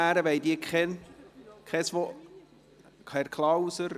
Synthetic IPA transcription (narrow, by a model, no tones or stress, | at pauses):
æːɾəʋɛjd̪iːəkʰɛn | kʰɛsʋo | kʰɛɾkʰlɑwsəɾ